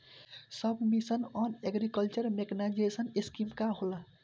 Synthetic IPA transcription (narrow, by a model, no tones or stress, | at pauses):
sʌbʱmisənɔneɡɾikəlt͡ʃəɾmeknad͡ʒesəneskimkaɦola